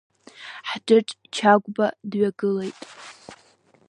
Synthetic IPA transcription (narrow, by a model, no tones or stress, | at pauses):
ħdɨʈ͡ʂʼt͡ʃʰaɡʷʼbadɥaɡɨle̞jtʼ